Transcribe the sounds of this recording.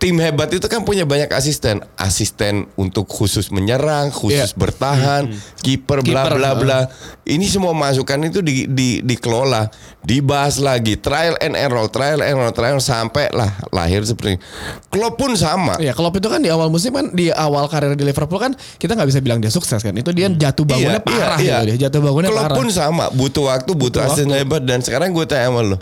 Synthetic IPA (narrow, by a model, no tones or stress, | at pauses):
t̪ɪmhebat̪it̪ukanpuɲabaɲaka̰s̬ist̪ɛnʔa̰sist̪ɛnunt̪ʊkhusʊsməɲəɾaŋhusʊsbərt̪aɦankipərblablablaʔinisəmuamas̬ukanit̪udididikəlolah | dibaslaɡit̪ɾajəlɛ̰nɛnɾɔlt̪ɾajəlɛnɔlt̪ɾaəlsampɛla̰hla̰ɦɪrsəpərt̪ḭnkəlopʊnsama̰ijakəlop̬it̪ukandiawalmus̬ɪmkandiawalkaɾeɾadilefərpulkan | kit̪aŋɡabis̬abilaŋdiasuksɛskanit̪udiad͡ʒat̪ubaɡuɲapiaɾahiɡiat̪udɛd͡ʒat̪ubaɡunɲaloaɾapʊnsama̰but̪uwak̚t̪ubut̪uasiɲabadansəkaɾaŋɡuat̪ajamallʊ